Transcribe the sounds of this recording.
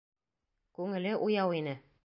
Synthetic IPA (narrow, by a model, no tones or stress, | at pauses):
kʉŋɘ̆lɘʔujɑwinɘ